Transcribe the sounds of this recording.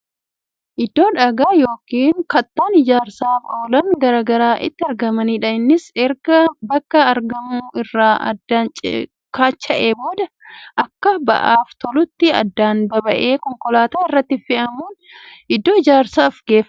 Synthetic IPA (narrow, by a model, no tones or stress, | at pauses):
ʔɪd̪ːo̞ːᶑɐɡaːjo̞ːkiːŋkɐt̪ːaːnɪd͡ʒaːɾsaːfo̞ːlɐnɡɐɾaːɡɐɾaːʔɪt̪ːɪɐɾɡɐmɐniːᶑɐɪnːɪsɛɾɡɐbɐkːɐɐɾɡɐmuːʔɪrːaːɐ̰d̪ːaːnt͡ʃʼ | kaːt͡ʃːɐʔeːbo̞ːd̪ɐ | ʔɐkːɐbɐ̰ʔaːft̪ɔlʊt̪ːɪɐ̰d̪ːaːnbɐbɐʔe̞ːkɔŋkɔlaːt̪aːɪrːɐt̪ːɪfɪʔɐmuːn | ɪd̪ːoːɪd͡ʒaːɾsaːfɡe̞ːfɐ